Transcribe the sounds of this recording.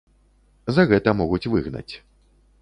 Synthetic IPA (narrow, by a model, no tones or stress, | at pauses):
zɐɣɛt̪ɐmɔɣut͡sʲvɨɣnɐ̰t͡sʲ